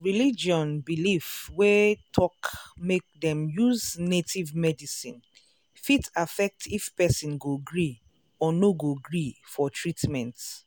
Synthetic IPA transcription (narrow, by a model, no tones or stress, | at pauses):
ɹilid͡ʒɔ̃nbilifwetʰɔkmek̚dɛ̃mjuznetʰivmɛdisḭ̃n | fitafɛk̚tʰifpɛsĩnɡoɡɹi | ɔnoɡoɡɹifɔtʰɹitmɛ̃nt